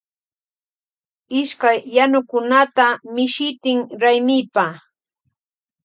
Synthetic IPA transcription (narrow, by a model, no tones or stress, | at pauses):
ɪʃkajːanʊkʊnat̪amɪʃɪt̪ɪŋɾajmɪjpa